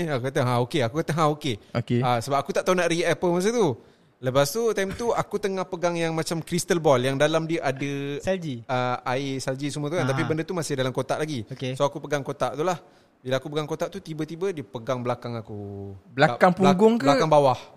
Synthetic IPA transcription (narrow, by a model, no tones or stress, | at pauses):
akukat̪əɦãokeakukat̪əɦãokeokeasəbap̚akut̪aʔt̪aunaʔɾiʔɛpəlmas̬ət̪u | ləpast̪ut̪ajmt̪uakut̪əŋahpəɡaŋjaŋmat͡ʃamkɾist̪əlbɔljaŋdalamdiəʔadəsald͡ʒiəaisald͡ʒisumət̪uant̪apibəndət̪umasɪhdalamkot̪aʔlaɡiokesoakupəɡaŋkot̪aʔt̪ulah | bilaakupəɡaŋkot̪aʔt̪ut̪ibət̪ibədiəpəɡaŋbəlakaŋakubəlaakaŋpulaŋɡʊŋkblakaŋbawah